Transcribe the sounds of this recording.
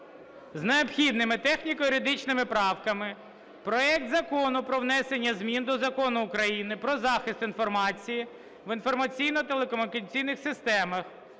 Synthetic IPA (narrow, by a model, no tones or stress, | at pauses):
zneɔpxʲid̪̚nɪmɪt̪ɛxnʲikɔjʊɾʲɪd̪ɪt͡ʃnɪmɪpɾɑwkɐmɪ | pɾɔɛkt̪zɐkɔnʊpɾɔʋnɛsenʲːɐzmʲind̪ɔzɐkɔnʊːkɾɐjinɪpɾɔzɑxɪst̪infɔrmɑt͡sʲiji | ʋɪn̪fɔrmɐt͡sʲijnɔt̪elˠekɔmʊnʲɪkɐt͡sʲijnɪxsɪst̪ɛmɐx